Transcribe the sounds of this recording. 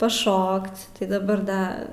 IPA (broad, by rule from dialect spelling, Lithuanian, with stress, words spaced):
pɐˈʃoːkt͡s tɐɪ dɐˈbɐr ˈdɐ